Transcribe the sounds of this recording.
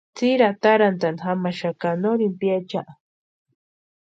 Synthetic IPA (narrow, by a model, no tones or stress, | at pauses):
t͡siɾat̪aɾant̪anxamaʃakanoɾimpiat͡ʃaʔa